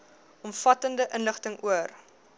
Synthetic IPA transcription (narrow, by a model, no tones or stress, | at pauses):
ɔmfɐtəndəʔənləχtəŋuər